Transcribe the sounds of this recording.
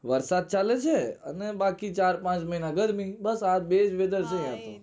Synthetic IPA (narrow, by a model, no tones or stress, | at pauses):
ʋəɾsad̪̚t͡ʃalet͡ʃʰeə̰nebakit͡ʃaɾpãt͡ʃməɦinaɡəɾmibəsad̪̚bed͡ʒʋed̪əɾsẽẽat̪ṵ̃